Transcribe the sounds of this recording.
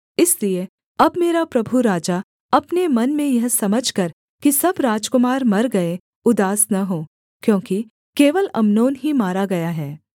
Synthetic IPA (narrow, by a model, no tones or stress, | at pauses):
ɪslie | ɐbmeːɾapɾɐbʱuɾaːd͡ʒa | ɐpnemɐnmẽjɐɦsɐməd͡ʒʱkɐɾ | kisɐbɾaːd͡ʒkʊmaːɾmɐɾɡɐe | ʊd̪aːsnaɦoː | kjõːki | keːʋəlɐmnoːnɦimaːɾaɡɐjaɦɛː